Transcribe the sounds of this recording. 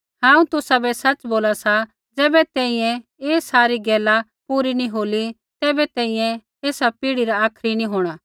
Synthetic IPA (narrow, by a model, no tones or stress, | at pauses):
ɦãːũt̪ʊsabɛsɐt͡ʃboːlasa | d͡zɛːbɛt̪ɛ̃ːĩjɛ̃eːsaːɾiɡɛːla | puːɾinĩɦoːli | t̪ɛːbɛt̪ɛ̃ːĩjɛ̃ | eːsapiːɽiɾaaːkʰɾinĩɦoːɽ̃a